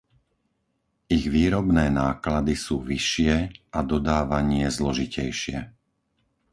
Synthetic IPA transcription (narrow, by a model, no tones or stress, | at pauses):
iɣʋiːɾɔbnɛːnaːklad̪isuːʋiʃɪɛad̪ɔd̪aːʋaɲɪɛzlɔʒicɛjʃɪɛ